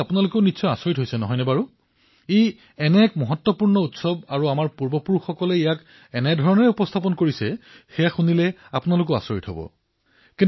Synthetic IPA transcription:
apunalʊkeʊnitsʰɔjasoɹitɦojsɛnɔɦɔjnɛbaɹu | ej | ɛnɛkmɔɦɔtːɔpuɹnɔutsɔbaɹuamaɹpuɹbɔpuɹuxɔkɔlɛijak | ɛnɛdʱɔɹɔnɔɹɛupɔst̪ʰap̬ɔnkoɹisɛxejaxunilɛapunalʊk̬eʊa̰soɹḭtɦɔ̰bɔ̰ | kĩn

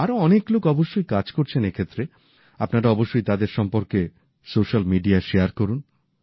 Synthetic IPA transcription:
aɾoɔneklokɔboʃːojkad͡ʑkoɾt͡ɕʰenekʰet̪ːɾe | apnaɾaɔboʃːojt̪ad̪eɾʃɔmpoɾke | soʃalmiɖiaʃeaɾkoɾun

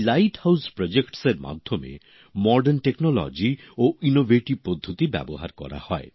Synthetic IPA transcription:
lajʈhawspɾɔd͡ʒekʈseɾma̰d̪ʱjɔmḛ | mɔɖenʈeknɔlɔ̰d͡ʒi | oinobʱeʈibpɾod̪ʱːut̪ibɛ̰boɦaɾkɔ̰ɾa̰hɔe

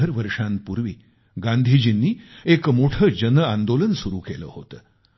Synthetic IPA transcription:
əɾʋəɾʂãnpuɾʋiː | ɡãnd̪ʱid͡ʑinːiːekmoʈʰəd͡ʑənəãnd̪olənsuɾṵːkelə̰ːhot̪ə

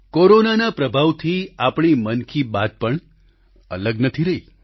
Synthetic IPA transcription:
koɾonanapɾəbʱaʋt̪ʰiapɳ̃imənkʰibat̪̚pəɳ | ə̰ləɡnət̪ʰiɾəɦi

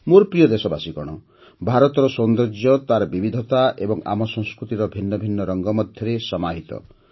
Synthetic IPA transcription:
moɾpɾijɔd̪esɔbasikɔɽ̃ɔ | bʱaɾɔt̪ɔɾɔsɔnd̪ɔɾd͡ʒjɔt̪aɾɔbibid̪ʱɔt̪aʔebɔŋa̰mɔsɔŋ̃skɾut̪iɾɔbʱinːɔbʱinːɔɾɔŋɡɔmɔd̪ʱjɔɾesɔmaɦit̪ɔ̰

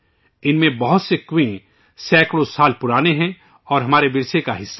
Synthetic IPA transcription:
ɪnmẽbɐɦʊt̪sekwẽ | sɛːkɽõsaːlpʊɾaːneɦɛ̃ | ɔːɾɦɐmaːɾebɪɾsekaɦɪsːa

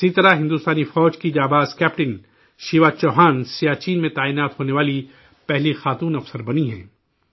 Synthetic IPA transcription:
sit̪ɐɾaɦɪ̃nd̪uːst̪aːnifɔːd͡ʒkid͡ʒaːbaːzkɛːpʈɪn | ʃiʋat͡ʃɔːɦaːnsijaːt͡ʃiːnmẽt̪aːiːnaːt̪ɦoːneʋaːli | pɛɦlixaːt̪uːnɐfsəɾbɐniɦɛ̰̃ː

